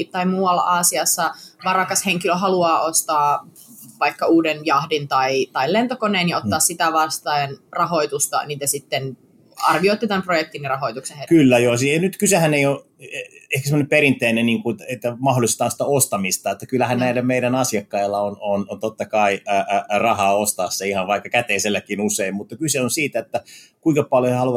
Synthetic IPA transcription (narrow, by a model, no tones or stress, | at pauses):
t̪ɑimuːɑlːɑ̰ʔɑːsiɑsːɑʋɑrɑkɑsheŋkiløɦɑluɑːʔost̪ɑː | ʋɑikːɑuːdenjɑhdint̪ɑit̪ɑillent̪okoneːnjɑot̪ːɑːssit̪æʋɑst̪ɑnrɑɦoit̪ust̪ɑ̰niːt̪æsit̪ːen | ɑ̰rʋioit̪ːit̪æmprojek̚t̪inːirɑɦoit̪ukseekylːæjoːsinyt̪kysehæneijo | ehkæsemŏneperint̪eineniːŋkut̪et̪ːæmɑɦolˑist̪ɑːnst̪æost̪ɑmist̪ɑet̪ːækylːæhænnæilæmeiɾænɑsjɑkːɑilːɑononont̪ot̪ːɑkɑirɑhɑːost̪ɑːsːɑihɑnʋɑikːɑkæt̪eiselːækːinuseimmut̪ːɑkyseonsiːt̪æet̪ːækuiŋkɑpɑljoehɑluɑ